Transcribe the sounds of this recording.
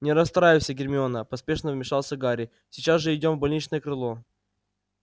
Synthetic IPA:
nʲɪɾɐst̪ɾajɪwsʲəɡʲɪrʲmʲɪonəpɐspʲe̞ʂnəvmʲɪʂɑlˠsʲəɡaɾʲɪ | sʲɪt͡ɕazʐɨɪdʲomvbɐlʲnʲit͡ɕnəjəkɾɨlˠo

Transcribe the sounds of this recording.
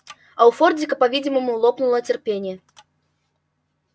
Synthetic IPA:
ɐwfɔrd̪d͡zʲikɐpavʲid͡zʲimɐmulˠɔpnulˠɐt͡sʲɛrpʲenʲjɛ

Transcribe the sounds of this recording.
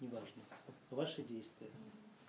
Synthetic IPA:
nʲɪvaʐnəɐvaʂɨdʲejst̪vʲɪjə

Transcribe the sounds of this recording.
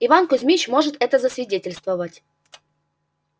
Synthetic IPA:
ɪvankʊzʲmʲit͡ɕmo̞ʐɨt̪ɛt̪əzəsvʲɪdʲetʲɪlʲst̪vəvətʲ

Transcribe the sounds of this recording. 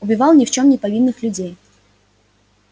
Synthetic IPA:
ʊbʲɪvɑlˠnʲɪft͡ɕo̞mnʲɪpɐvʲinːɨxlʲʊdʲej

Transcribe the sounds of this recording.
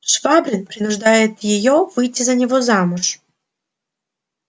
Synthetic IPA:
ʂvabɾʲɪnpɾʲɪnʊʐd̪ajɪt̪jɪjovɨjtʲːizɐnʲɪvozamʊʂ

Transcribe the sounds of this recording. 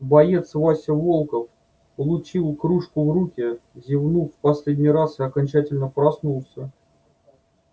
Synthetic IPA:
bɐjet̪svasʲɪvo̞lˠkəf | pəlˠʊt͡ɕilˠkɾuʂkʊvrukʲɪzʲɪvnufpɐsʲlʲedʲnʲijɾasɨɐkɐnʲt͡ɕætʲɪlʲnəpɾɐsnulˠsʲə

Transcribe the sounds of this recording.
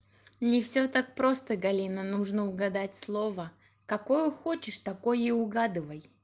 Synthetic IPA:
nʲɪfsʲot̪ak̚pɾo̞st̪əɡɐlʲinənuʐnəʊɡɐd̪atʲslˠo̞və | kɐkojʊxot͡ɕɪʂt̪ɐkojɪʊɡad̪ɨvəj

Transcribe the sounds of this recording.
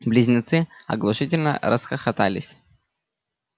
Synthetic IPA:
blʲɪzʲnʲɪt̪sɨɐ̰ɡlˠʊʂɨtʲɪlʲnə̰ɾəsxəxɐt̪a̰lʲɪsʲ

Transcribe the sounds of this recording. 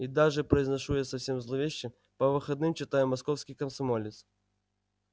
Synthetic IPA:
id̪aʐɛpɾɐiznɐʂujasɐfsʲemzlˠɔvʲeɕːɪ | pɐʋɨxɐd̪nɪmt͡ɕɪt̪ajɛmɐskɔfsʲkʲijkɐmsɐmɔlʲɪt̪s

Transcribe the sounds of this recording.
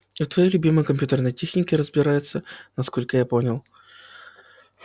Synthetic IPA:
t̪vɐjejlʲʊbʲiməjəkɐmpʲjut̪ərnəjtʲexnʲɪkʲɪɾəzbʲɪɾajɪt̪sənɐsko̞lʲkəjaponʲɪlˠ

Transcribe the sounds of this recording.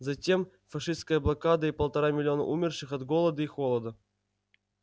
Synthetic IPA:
zɐtʲe̞m | fɐʂɨst̪kəjəblˠɐkad̪əipəlˠt̪ɐɾamʲɪlʲɪo̞nə̰ʔumʲɪrʂɨxɐd̪ɡolˠəd̪əixolˠəd̪ə

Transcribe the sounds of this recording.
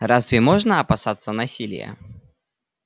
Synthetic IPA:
ɾazvʲɪmoʐnəɐpɐsat̪sənɐsʲilʲɪ̰jə̰

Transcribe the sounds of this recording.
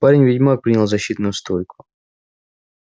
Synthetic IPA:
paɾʲɪnʲvʲɪdʲmapɾʲinʲɪlˠzɐɕːit̪nʊjʊst̪ojkʊ̥

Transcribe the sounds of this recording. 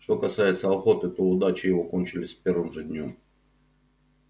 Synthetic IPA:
ʂt̪o̞kɐsajɪt̪səɐxo̞t̪ɨt̪oʊd̪at͡ɕɪjɪvo̞ko̞nʲt͡ɕɪlʲɪsʲpʲe̞rvɨmʐɨdʲnʲom

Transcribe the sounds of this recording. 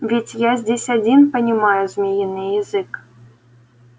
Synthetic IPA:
vʲetʲjazʲdʲesʲad͡zʲinpənʲimajʊzmʲijinːɨjɛzɨk

